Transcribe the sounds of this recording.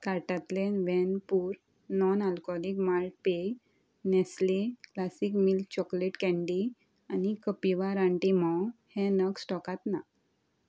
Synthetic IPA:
kaɾʈat̪lenʋɛ̃npuːɾ | nɔnalkɔlikmalʈ̚pe | nɛsleklasikmilt͡ɕɔkleʈkɛ̃ɳɖi | anikəpiʋaɾaɳʈimɔwhɛ̃nəksʈɔkat̪na

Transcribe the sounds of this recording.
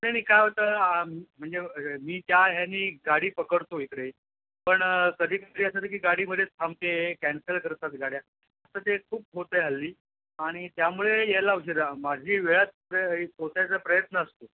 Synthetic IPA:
nañiːkajɦot̪əm̤əɳd͡zemiːt̪jaɦjaniːɡaɽiːpəkəɽt̪oik̪ɾej | pəɳkəd̪ʱiːkəd̪ʱiːəsat̪əkiːɡaɽiːməd̪ʱjet͡st̪ʰamt̪eekɛnsəlkəɾt̪at̪ɡaɽja | ət̪ət̪ekʰuːp̚ɦot̪əjɦalːiː | aɽ̃it̪jamuɭejelauɕ̬eɾamad͡ʑʱiːʋeɭat͡s | kot̪jat͡səpɾəjət̪nəːst̪o

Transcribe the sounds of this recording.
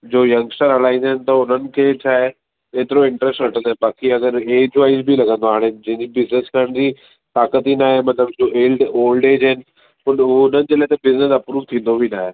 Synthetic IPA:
d͡ʑoːjɐ̃ŋɡsʈəɾɐlaːĩnd̪aɦnɪ̆t̪ɐʊn̤ənɪ̆kʰeːt͡ɕʰaːe | eːt̪ɪɾoɪ̃ɳʈɾɛsʈɾɐʈʰə̃nd̪oɦẽbaːkiɐɡəɾeːd͡ʑʋaːɪzbʱilɐɡə̃nd̪oaːɽ̃ed͡ʑɐ̃ɦɪ̃ɲd͡ʑibɪzneskɐɾəɽ̃d͡ʑiː | t̪aːkət̪inaːɦemɐt̪ləb̚d͡ʑoeːlɖoːlɖeːd͡ʑaɦnɪ̆ | ʊnʊn̤ənɪ̆d͡ʑeːlaːɦɪt̪ɐbɪznəsɐpɾuːʋt̪ʰĩːn̆d̪obʱinaːɦe

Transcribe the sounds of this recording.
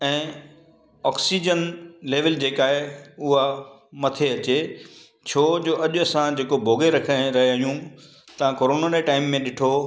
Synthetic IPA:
ɛ̃ː | ɔːksid͡ʑənleːʋəld͡ʑeːkaːɦeʊɦa | mɐt̪ʰeɐt͡ɕe | t͡ɕʰoːd͡ʑoːʔɐʄʊɐsãd͡ʑeːkobʱoːɡeɾɐkʰəɾɐɦeaːɦijũ | t̪ɐʋ̤ãkoːɾoːnaneʈaːɪmːẽɗɪʈʰo

